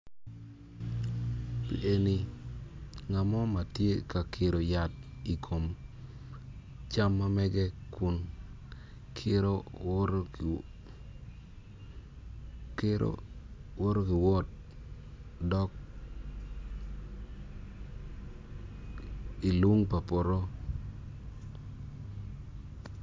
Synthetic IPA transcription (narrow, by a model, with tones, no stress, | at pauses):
pḭ˨ʔe˨ni˨ | ŋa˨mɔ˦ma˨tje˦ka˨kʰɪ˨ɾo˨ja˨ti˨kʰo˨m | t͡ʃa˦mːa˦mɛ˦ɡɛ˦kʊ˨n | kʰɪ˦ɾo˦ɾ | kɪ˦ɾo̰wo˦ɾo˦kɪ˨wɔ˦t̚ | dɔ˦k̚ | i˨lu˦ŋpa˨pɔ˨ɾɔ˦